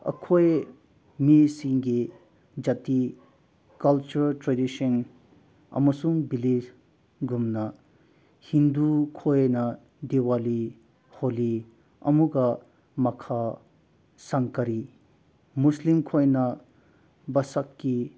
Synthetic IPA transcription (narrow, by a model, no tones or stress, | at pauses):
ɐ̰kʰoj | misiŋɡi | d͡ʒɐti | kɐlt͡ʃuɾltɾedisɔn | ɐ̰mɐsuŋbilid͡ʒ | ɡumnɐ | hind̪ukʰojnɐ | dewali | holi | ɐ̰muɡɐ | mɐkʰa | sɐŋkɐɾi | muslimkʰojnɐ | bɐsɐkːi